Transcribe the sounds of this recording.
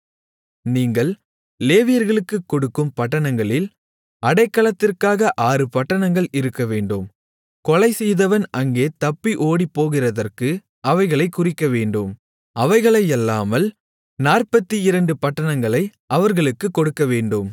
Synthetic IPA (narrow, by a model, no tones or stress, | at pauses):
niːŋɡɐɭ | leːʋɪjɐɾɣɐɭɯkːɯkːɔɽɯkːɯmpɐʈːɐɳɐŋɡɐɭɪl | ɐɽɐɪkːɐɭɐt̪ːɪrkaːɣɐʔaːɾɯpɐʈːɐnɐŋɡɐɭɪɾɯkːɐʋeːɳɖɯm | kɔlɐɪsɛjðɐʋɐnʔɐŋɡeːt̪ɐpːiʔoːɽipːoːɣɪrɐðɐrkɯ | ɐʋɐɪɣɐɭɐɪkʊrɪkːɐʋeːɳɖɯm | ɐʋɐɪɣɐɭɐjɛlːaːmɐl | naːrpɐt̪ːiɪɾɐɳɖɯpɐʈːɐnɐŋɡɐɭɐɪ | ɐʋɐɾɣɐɭɯkːɯkːɔɽɯkːɐʋeːɳɖɯm